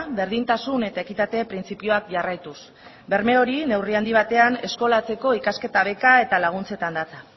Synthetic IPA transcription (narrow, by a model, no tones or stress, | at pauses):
βe̞ɾðint̪asune̞t̪ae̞kit̪at̪e̞pɾint͡sipio̞akʝarajt̪us | be̞ɾme̞o̞ɾine̞wriand̪iβ̞at̪e̞ane̞sko̞lat͡se̞ko̞ikaske̞t̪aβ̞e̞kae̞t̪alaɣ̞unt͡se̞t̪and̪at͡sa